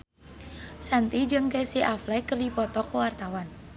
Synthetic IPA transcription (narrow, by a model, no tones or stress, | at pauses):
sant̪id͡ʒɨŋkesiʔaflɛkərdipɔt̪ɔkəwart̪awan